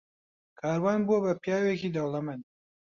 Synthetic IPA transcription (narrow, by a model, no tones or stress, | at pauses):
kʰaːɾwɑnbobapjɑːwekid̪awlamani